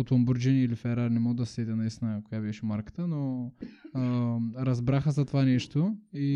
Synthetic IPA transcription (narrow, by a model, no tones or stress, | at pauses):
ot̪ɐmbuɾd͡ʒinilifɛɾaɾnɛmoɡd̪ɐssɛd̪ʲɛnɐist̪ʲinəkojabɛʃɛmaɾkə̥t̪əno | ɾɐzbɾaxəzɐt̪ovanɛʃt̪oi